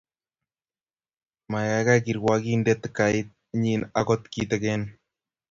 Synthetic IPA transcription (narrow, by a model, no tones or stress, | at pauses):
majakakiɾwakindet̪kait̪̚ | ɲinakot̪kit̪eken